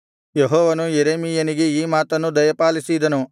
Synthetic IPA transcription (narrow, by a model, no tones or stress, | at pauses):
jeɦɔːʋɐnujeɾeːmijɐniɡe̞iːmaːt̪ɐnːud̪ɐjɐpaːlisid̪ɐnu